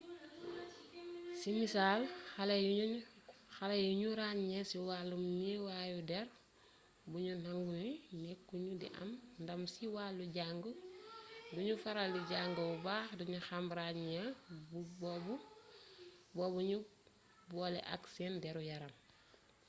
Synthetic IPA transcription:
simisaːlxɐlɐj | xɐlɐjuɲuɾaɲɲɛsiwaːlːumniwaːjudɛɾ | buɲunaŋɡunimɛkːuɲudḭʔɐ̰mndɐmsiwaːlːuɟaŋɡu | duɲufɐɾaldiɟaːŋɡɐubaːxduɲuxɐmɾaɲɲɛ | bɔbu | bɔːbuɲu | bɔːlɛ̰ʔa̰ksɛndɛɾujɐɾɐm

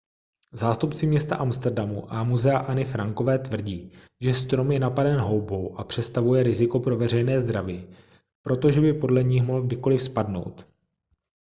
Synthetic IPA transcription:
zaːst̪upt͡sɪmɲɛst̪aʔamst̪ɛrdamṵʔamuzɛaʔanɪfɾaŋko̞vɛːt̪vr̩ɟiː | ʒɛst̪ɾo̞mjɛnapadɛnɦo̞wbo̞wʔapr̝̥ɛt̪st̪avujɛɾɪzɪko̞pɾo̞vɛr̝ɛjnɛːzd̪ɾaviː | pɾo̞t̪o̞ʒɛbɪpo̞dlɛɲɪxmoɦlɡ̚dɪko̞lɪfspadno̞̰wt̪

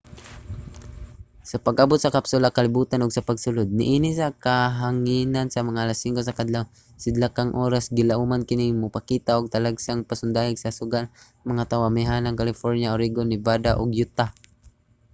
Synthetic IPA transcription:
sɐpaɡabʊt̪̚sɐkapsʊlakɐlɪbuːt̪anʊɡsɐpaɡsʊlod̪̚nɪʔiːnɪsakaɦaŋinansɐmɐŋaʔalasːiŋkosɐkad̪law | sɪd̪lakaŋʔoːɾasɡɪlaʔumankɪnɪŋmʊpakiːt̪aʔʊɡ̚t̪alaɡsaŋpasʊnd̪aːhɪɡsɐsʊɡan | mɐŋat̪awamɪɦanaŋkalɪfoɾnjaoɾiɡonɪbad̪aʔʊɡjʊt̪a

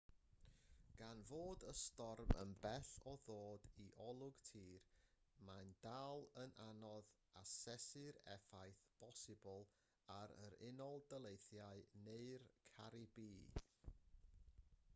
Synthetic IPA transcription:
ɡ̥anvoːdəstɔrmə̰nbɛθɔðoːdiʔɔlˠʊɡ̥tʰiːr | mand̥alˠənʔanɔð | asɛsɪɾɛ̰fajθb̥ʰɔsɪbɔlˠ | aɾə̰ɾɪnɔlˠdəlˠejθjaɨneɨrkʰaɾɪbiː

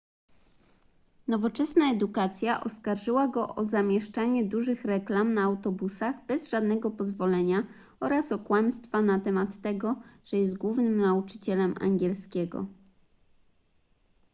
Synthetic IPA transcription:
nɔvɔt͡ʂɛsnaɛd̪ukat̪sʲjaʔɔskaɾʐɘwaɡɔʔɔzamʲjɛʂt͡ʂaɲɛd̪uʐɘxɾɛklamnaːwt̪ɔbusaɣbɛzʐad̪nɛɡɔpɔzvɔlɛɲa | ɔɾasɔkwamst̪fanat̪ɛmat̪ːɛɡɔʐ̥ɛjɛst̪̚ɡwuvnɘmnaut͡ʂɘ̥t͡ɕɛlɛma̰ŋɡʲɛlskʲɛɡɔ̰

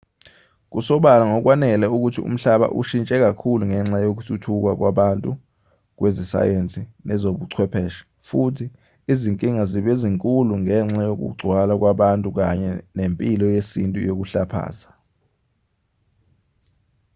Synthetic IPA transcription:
k̬usɔɓalaŋɔk̬wanɛlɛuk̬utʰiṵm̩ɬaɓa̰ʔṵʃint͡ʃʼɛk̬akʰuluŋɛŋ͡ǁajok̬utʰutʰuk̬wak̬waɓantʼu | k̬wezisa̰jent͡sʼinɛzoɓuǀʰwɛpʰɛːʃḁ | futʰiː | ziŋkʼiŋaziɓeziŋkʼuluŋɛŋ͡ǁajok̬ṵɡ͡ǀʱwalak̬waɓantʼuk̬aɲɛnempʼilɔjesintʼṵjok̬uɬapʰa̰ːza

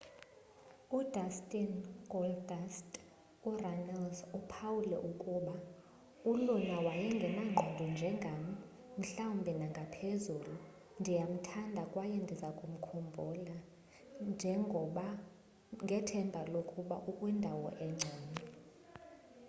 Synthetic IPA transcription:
udastʼinɡɔldastʼ | uranalsupʰawulɛʔukʼuɓa | ulɔnawajɛŋɡʱɛnaŋ͡ǀʱɔndʱɔnd͡ʒʱɛŋɡʱami | m̩ɬawumbʱɛnaŋɡʱapʰezuːlu | ndʱijam̩tʰandʱakʼwajɛndʱizakʼum̩kʰɔmbʱɔla | nd͡ʒʱɛŋɡʱɔɓa | ŋɡʱɛtʰɛmbʱalokʼuɓa̰ʔukʼwɛndʱawɔ̰ʔɛŋ͡ǀʱaːni

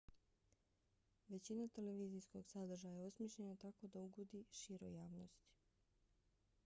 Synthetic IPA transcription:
ʋe̞t͡ɕinat̪e̞leʋiːzijsko̞ɡsad̪r̩ʒajaeosmʲjeʃʎenat̪ako̞d̪auɡud̪iʃiːɾo̰jaːʋnost̪i̥

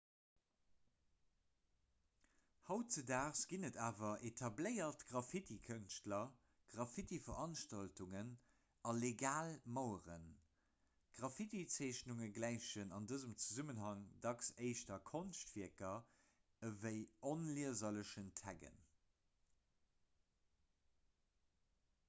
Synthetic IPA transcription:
hɑʊt͡sədaːʁsɡ̥inədaːvɐʔetʰɑbləɪɐtɡ̥ʁɑfitikʰənʃtlɐ | ɡ̥ʁɑfitifɐʁʔɑnʃtɑltuŋən | ɑleɡaːlmɑʊəʁə̰n | ɡ̥ʁɑfitit͡seɪɕnuŋəɡlæɪʃənɑndəzəmt͡suzumənɦɑŋdɑksəɪʃtɐkʰonʃtfiəkɐ | əvəɪonliəzɐləʃəntʰæɡə̰n

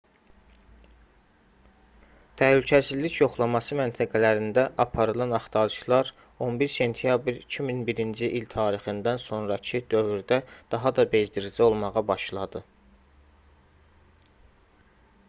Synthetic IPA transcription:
t̪ʰæhlycʰæsizlicjo̞χlˠɑmɑsɯmænt̪ʰæɡælæɾind̪æʔɑpʰɑɾɯlˠɑnɑχt̪ʰɑɾɯʃlˠɑɾ | o̞nbiɾse̞nt̪ʰjɑbɾicʰiminbiɾind͡ʒiʔilt̪ʰɑːɾiχɯnd̪ænso̞nɾɑcʰid̪̥ø̞vyɾd̪æd̪̥ɑɦɑd̪ɑbe̞zd̪iɾid͡ʒæo̞lˠmɑʁɑbɑʃlˠɑd̪ɯ

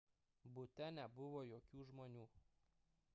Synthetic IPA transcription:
bʊt̪ʲɛnʲɛbʊʋoːjoːkʲuːʒmoːnʲuː

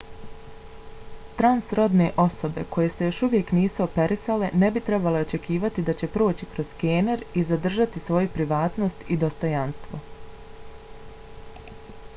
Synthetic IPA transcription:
t̪ɾansɾo̞d̪ne̞ʔo̞so̞be̞̰ko̞je̞se̞jo̞ʃuʋje̞kniːsuo̞pe̞ɾisale̞ne̞bit̪ɾe̞bale̞o̞t͡ʃe̞kiːʋat̪id̪at͡ɕe̞pɾo̞ːt͡ɕikɾo̞z̥keːneɾizad̪r̩ʒat̪isʋo̞jupɾiʋaːt̪no̞st̪id̪o̞st̪o̞janst̪ʋo̞

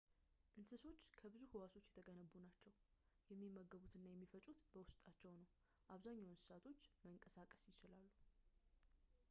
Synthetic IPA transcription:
ʔɨnsɨso̞t͡ʃːkʰəβɨzuhɨwaso̞t͡ʃːjɛt̪ʰəɡənəbːunat͡ʃːɛw | jɛmːimːəɡːəβut̪ɨnːajɛmːifət͡ʃʼut̪bəwʊst̪ʼat͡ʃːɛwnəw | ʔaβzaɲːawɨnsɨ̥sat̪ʰo̞t͡ʃːməŋkʼəsakʼə̥sjɪt͡ʃɪlalːu

